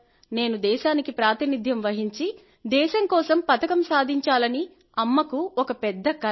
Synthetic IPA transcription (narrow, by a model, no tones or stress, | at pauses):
ne̞ːnud̪ɛːʃaːnikipɾaːt̪inid̪ʱjɐmʋɐɦiɲt͡ʃi | d̪ɛːʃɐŋkɔːsɐmpɐt̪ɐkɐmsaːd̪ʱiɲt͡ʃaːlɐni | ɐmːɐkuɔkɐpɛd̪ːɐkɐ